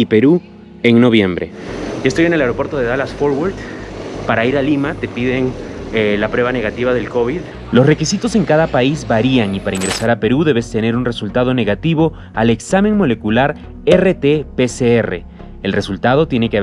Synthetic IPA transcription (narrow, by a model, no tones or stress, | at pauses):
ipeɾu | eŋno̞βje̞mbɾḛoest̪o̞jene̞laeɾopwe̞ɾt̪o̞ðeðalasfoɾwaɾt̪paɾaiɾalimat̪e̞piðeŋ | lapɾwe̞βane̞ɣat̪iβaðe̞lko̞βið | lo̞sre̞kisit̪o̞se̞ŋkaðapaizbaɾiaŋipaɾaiŋɡɾe̞saɾape̞ɾuðe̞βe̞st̪e̞ne̞ɾunresult̪að̞o̞ne̞ɣat̪iβo̞ | ale̞ksame̞ŋmo̞le̞kulaɾ | eret̪epeseere̞̰ | elre̞sult̪að̞o̞t̪je̞nekeaβ